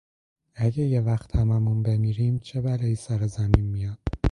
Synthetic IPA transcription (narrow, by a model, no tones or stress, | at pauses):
æɟejevæxt̪ʰhæmæmunbemiːɾiːmt͡ʃʰebæleiːsæɾezæmiːnmijɒd̪̥